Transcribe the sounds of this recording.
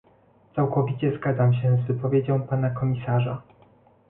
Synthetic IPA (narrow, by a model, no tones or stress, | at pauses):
t̪sawkɔvʲit͡ɕɛzɡad̪zamɕɛzvɘpɔvʲjed͡ʑɔ̃w̃panakɔmʲisaʐa